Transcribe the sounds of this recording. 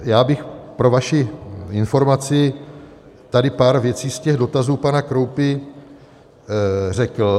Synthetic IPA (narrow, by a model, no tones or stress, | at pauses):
jaːbɪxpɾo̞vaʃɪɪnfo̞ɾmat͡sɪ | t̪adɪpaːɾvjɛt͡siːscɛɣdo̞t̪azuːpanakɾo̞wpɪ | r̝ɛkl̩